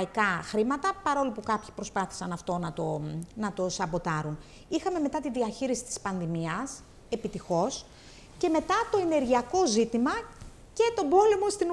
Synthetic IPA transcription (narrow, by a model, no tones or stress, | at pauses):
ikɐxɾimɐt̪ɐpɐɾo̞lipukɐpçi̥pɾo̞spɐθi̥sɐnɐft̪o̞nɐt̪onɐt̪o̞sɐbot̪ɐɾun | ixɐme̞me̞t̪ɐt̪iðiɐçiɾisi̥t̪i̥spɐnðimiɐs | e̞pit̪ixo̞s | ce̞me̞t̪ɐt̪o̞e̞ne̞ɾʝiɐko̞zit̪imɐ | ce̞t̪o̞bo̞lemost̪in